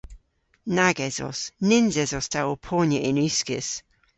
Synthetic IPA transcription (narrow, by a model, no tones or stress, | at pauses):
naɡɛzɔ̰snɪnzɛzɔstʰawɔpʰɔːnjəʔɪnʉskəs